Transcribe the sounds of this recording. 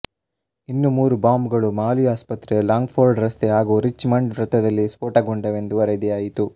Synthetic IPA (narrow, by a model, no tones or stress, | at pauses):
inːumuːɾubaːmbɡɐɭumaːliaːspɐt̪ɾelaːŋɡpʰoːɾɖɾɐst̪eɦaːɡuːɾit͡ʃːmɐɳɖʋɾɐt̪ːɐd̪ɐlːispoːʈɐɡoɳɖɐʋe̞nd̪uʋɐɾed̪iaːjit̪u